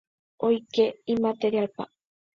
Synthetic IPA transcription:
ojkeimat̪eɾialpa̰

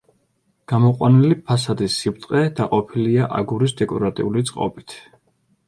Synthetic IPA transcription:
ɡ̥amɔqʼwanilipʰasad̪isːip̚t̪ʼqʼɛd̪̥aqʼɔpʰiliaʔaɡuɾisd̪ɛkʼɔɾat̪ʼḭulit̪sʼqʼɔ̰bit̪ʰ

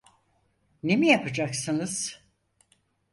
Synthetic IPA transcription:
ne̞mijapʰɯd͡ʒaksɯnɯz̥

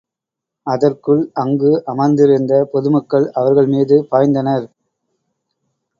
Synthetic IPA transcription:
ɐðɐrkɯɭɐŋɡɯʔɐmɐnd̪ɪɾɯnd̪ɐpɔðɯmɐkːɐɭɐʋɐɾɣɐɭmiːðɯpaːjnd̪ɐnɐɾ

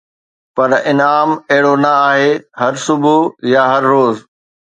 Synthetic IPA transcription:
pɐɾɪnaːmɐɦɪɽonɐaːɦeːɦɐɾsʊbʱujaɦɐɾːoːz

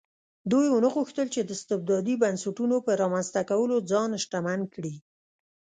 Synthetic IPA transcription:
d̪ujwənəɣuxt̪əlt͡ʃed̪əɪst̪ɪb̚d̪ɑd̪ibansaʈunopəɾɑmanst̪akawəlod͡zɑnʃʈamankɽi

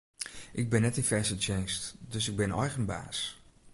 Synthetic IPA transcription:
ʔɪɡ̚bɪnːɛtifɛrsət͡ʃejnstdøsɪɡ̚bɪnɔ̰jɣənba̰ːs

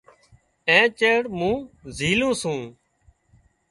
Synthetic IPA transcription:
ẽːt͡ʃeːɽmũːzʱiːlũːsũː

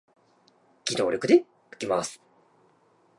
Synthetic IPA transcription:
ɡ̥ʲid̪o̞ːɾʲo̞kɯ̟d̪e | ɯ̟̥kʲimasɨ̥

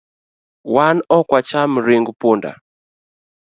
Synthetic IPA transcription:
wanɔkwat͡ʃam̩ɾiŋɡupunda̰

